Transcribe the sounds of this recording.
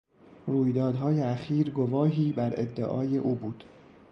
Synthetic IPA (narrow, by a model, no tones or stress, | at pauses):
ruːjd̪ɒːd̪ɦɒːjeæxiːɾɡovɒːɦiːbæɾḛd̪ːḛʔɒːjeʔuːbuːd̪̥